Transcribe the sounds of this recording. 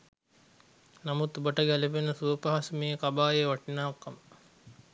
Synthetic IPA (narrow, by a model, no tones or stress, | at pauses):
namut̪ubəʈəɡæleʋenəsuʋəpaɦasəmeːkabaːjeʋaʈinaːkːamə